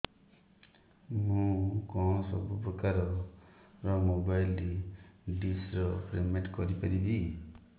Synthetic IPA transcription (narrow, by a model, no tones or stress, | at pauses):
mũkɔ̃sɔbupɾɔkaɾɔ | ɾɔmobajlɾiɖisɾɔpɾemeʈkɔɾipaɾibi